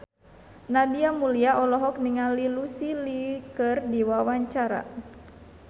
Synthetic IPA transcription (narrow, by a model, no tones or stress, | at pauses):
nadiamuliaʔɔlɔɦɔk̚niŋalilusilikərdiwawaɲt͡ʃaɾa̰